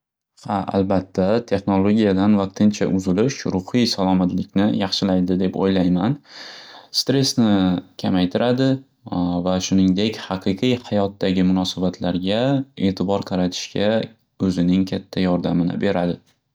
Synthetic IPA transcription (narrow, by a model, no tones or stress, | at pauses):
haʔa̰lbat̪ʰːat̪ʰe̞χno̞lˠoɡʲijad̪anvɑq̚t̪ʰɪnt͡ʃʰa̰ʔʊzɪlɪʃɾʊhijsalˠɒmat̪lɪkʲnɪjɑχʃɪlajd̪ɪd̪e̞po̰jlajman | st̪ɾe̞snɪkʲʰamajt̪ʰɪɾad̪ɪ | vaʃʊnɪŋd̪e̞kʲhɑqʰɨqʰɨjhɑjɒt̪ːaɡʲɪmʊnɒsabat̪ʰlaɾɡʲae̞ːt̪ʰɪbɒɾqʰɑɾat̪ʰɪ̥ʃkʲa | ɵzɪnɪŋkʲʰat̪ʰːajɒɾd̪amɪnɪ̰be̞ɾad̪ɪ